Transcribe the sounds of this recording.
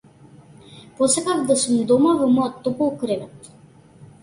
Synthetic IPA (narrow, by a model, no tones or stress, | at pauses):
pɔsakavd̪asumd̪ɔmavɔmɔjɔt̪ːɔpɔlˠkɾɛvɛt̪